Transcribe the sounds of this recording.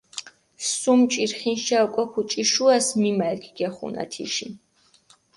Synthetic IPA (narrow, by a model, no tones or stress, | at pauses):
sumt͡ʃʼiɾχinʃaukʷʼɛkʰut͡ʃʼiʃuasmimalkʰʼɡ̥ɛχṵna̰t̪ʰḭʃi